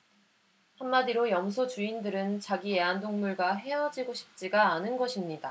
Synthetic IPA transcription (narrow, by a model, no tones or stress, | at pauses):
hamːadiɾojʌmsʰot͡ɕuindɯɾɯnt͡ɕaɡie̞andoŋmuɭɡaɦe̞ʌd͡ʑiɡoɕʰi̥p̚t͡ɕ͈iɡaːnɯnɡʌɕʰimɲida